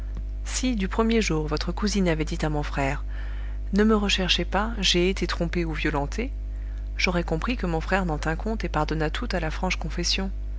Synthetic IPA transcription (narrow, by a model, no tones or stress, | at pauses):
sid̪ypχəmjeʒuʁvɔt̪χəkuzinavɛd̪it̪amɔ̃fχɛːʁ | nəməʁəʃɛʁʃepa | ʒeːt̪et̪χɔ̃peuvjɔlɑ̃t̪ʰe | ʒ̥ɔʁɛkɔ̃pχikəmɔ̃fχɛʁnɑ̃t̪ɛ̃kɔ̃t̪epaʁd̪ɔnat̪ʰut̪alafχɑ̃ʃkɔ̃fɛsjɔ̃